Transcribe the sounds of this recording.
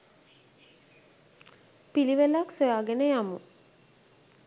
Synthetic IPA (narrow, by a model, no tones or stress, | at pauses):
piliʋelaksojaːɡenəjamu